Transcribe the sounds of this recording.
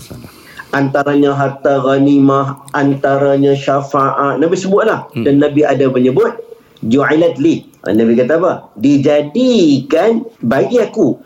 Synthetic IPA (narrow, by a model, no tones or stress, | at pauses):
ʔant̪aɾaɲãɦat̪aɣanimãɦʔant̪aɾaɲãʃafaʔat̪̚nãbisəbʊt̪̚lahdanːãbiadaməɲəbʊt̪̚ | d͡ʒuajlat̪̚li | a̰nãbikat̪aːpəhdid͡ʒadikanbaɡiaku